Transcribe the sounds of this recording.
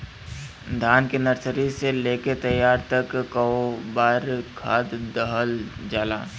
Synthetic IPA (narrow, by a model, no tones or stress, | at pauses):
d̪ʱaːnkenəɾsəɾiseleːket̪əjːaːɾt̪ɐkːəobaːɾkʰaːd̪d̪əɦəld͡ʒaːlaː